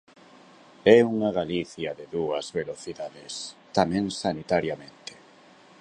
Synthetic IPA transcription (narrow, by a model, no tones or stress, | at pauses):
ɛuŋaɣaliθjɐðɪðuɐzβeloθiðaðɪst̪amɛ̃ŋsanit̪aɾjamẽnt̪e̥